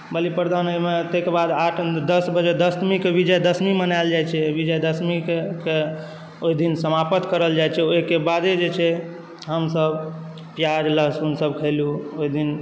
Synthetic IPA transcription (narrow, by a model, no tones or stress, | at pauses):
bəlipɾd̪anəimet̪ekebad̪aʈʰd̪əsbəd͡ʒed̪əsmikebid͡ʒəjd̪əsmimənald͡ʒajt͡ʃʰɛbid͡ʒəjd̪əsmikke | oid̪insəmapət̪kəɾəld͡ʒajt͡ʃʰɛoɦikebad̪ed͡ʒet͡ʃʰɛ | ɦəmsəb | pjaɾləɦsunsəbkʰəɪluoid̪in